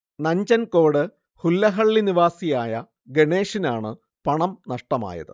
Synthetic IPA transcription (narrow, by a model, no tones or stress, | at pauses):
nɐɲd͡ʑɐnko̞ːɽɨ | hulːɐɦɐɭːiniʋaːsijaːjɐ | ɡeɳe̞ːʂinaːɳɨ | pɐɳɐmnɐʂʈɐma̰ːjɐ̰ðɨ̰